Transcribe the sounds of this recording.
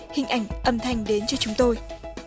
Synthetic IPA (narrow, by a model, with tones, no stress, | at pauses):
hï˨˩ŋ̟ʔa̰˧˩jŋ̟ʔə˨˩mt̪ʰa˨˧jŋ̟ɗe˨˦nt͡ɕɔ˧t͡ɕʊ˨˦ŋ͡mt̪o˧j